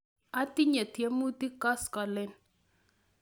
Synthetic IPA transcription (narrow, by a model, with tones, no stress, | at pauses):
a˦ti˦ɲe˨tje˦mu˦t̪i˦ka˦skɔ˨lɪ˦n